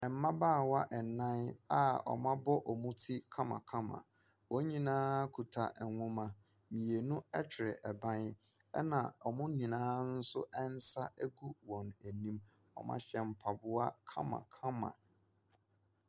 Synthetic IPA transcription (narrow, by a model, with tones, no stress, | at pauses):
ɛ˨m̩˦mã˦baː˦˨wa˦ʔɛ˨nã˦na˦ɔ̰˨mã˦bɔ˦ʔɔ˨mũ˦tʰi˦kʰa˦mã̰˨kʰa˦mã̰˨ | wɔ˦ɲĩ˨nãː˦kʰu˨tʰa̰˨ʔŋʷʊ̃˦mã˨ | mĩ˨e˨nʊ̃˦ɛ˦t͡ɕʰɪ˨ɾɪ˨ʔɛ˨bã˦n˦ | ɛ̰˦nã̰˨ɔ˨mʊ̃˦nĩ˨nãː˦n̩˦sʊ̰˦ʔɛ˦n̩˦sa˦ʔæ˦ɡu˦wɔ̃˨næ˨nĩ˦m | ɔ̰˨mã̰˦ɕɛ˨m̩˨pʰa˨bʊ˦a˦kʰã̰˦mã̰˨kʰã˦mã̰˨